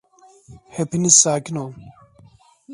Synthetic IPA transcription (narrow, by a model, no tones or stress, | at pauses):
hepʰinisaːkino